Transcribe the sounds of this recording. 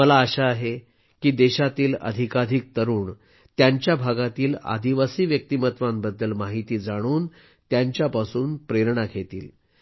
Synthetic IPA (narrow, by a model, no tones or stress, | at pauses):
məlaəɕaːɦe | kiːd̪eɕat̪iːlə̰d̪ʱikad̪ʱik̚t̪əɾuːɳ | t̪jaɲt͡ɕjabʱaɡat̪iːla̰d̪iʋasiːʋjək̚t̪imət̪ʋambəd̪ːəlmaɦit̪iːd͡zaɽ̃uːn | t̪jaɲt͡ɕjapasuːnpɾeɾɳakʰet̪ḭːl